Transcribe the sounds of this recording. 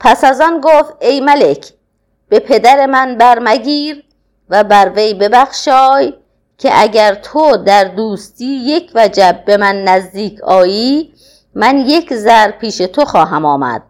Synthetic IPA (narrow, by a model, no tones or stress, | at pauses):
pʰæsæzɒːnɡoːft̪e̞jmæle̞kʰ | b̥e̞pʰed̪æɾe̞mænbæɾmæɡʲiːɾ | væbæɾvejbe̞bæxʃɒːj | cʰeʔæɟæɾt̪ʰod̪æɾd̪uːst̪iːje̞kʰvæd͡ʒæbbe̞mænːæzd̪iːkʰɒːjiː | mænje̞kʰzæɾpʰiːʃe̞t̪ʰo̞xɒːɦæmɒːmæ̰d̪̥̚